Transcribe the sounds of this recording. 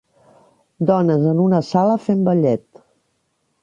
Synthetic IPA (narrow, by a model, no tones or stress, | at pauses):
d̪ɔnəzənunəsaləfembəʎɛt̪